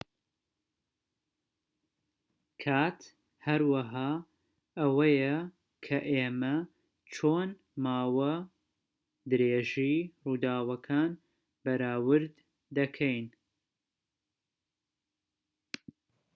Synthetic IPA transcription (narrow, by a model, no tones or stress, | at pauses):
kʰaːt̪ | hɐɾwɐɦaː | ɐwɐjɐ | kʰɐʔemɐ | t͡ʃʰoːn | maːwɐ | d̪ɨɾeːʒijruːd̪aːwɐkʰaːn | bɐɾaːwɨɾd̪ː | ɐkʰɛjn